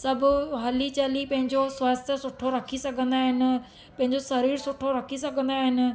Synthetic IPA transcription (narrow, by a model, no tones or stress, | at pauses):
sɐbʱʊɦɐlit͡ɕaːlipɐ̃ɦɪ̃ɲd͡ʑoswaːst̪ʰjəsʊʈʰoɾɐkʰisɐɡʱə̃nd̪aːɦɪnɪ̆ | pɐ̃ɦɪ̃ɲd͡ʑosɐɾiːɾsʊʈʰoɾɐkʰisɐɡʱə̃nd̪aːɦɪnɪ̆